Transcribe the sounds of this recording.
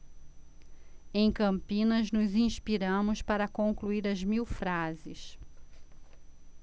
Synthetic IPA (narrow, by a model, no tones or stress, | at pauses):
ẽj̃kɐ̃mpĩnɐznʊzĩʃpiɾɐ̃mʊspaɾɐkõŋkluiɾɐzmiwfɾazɪs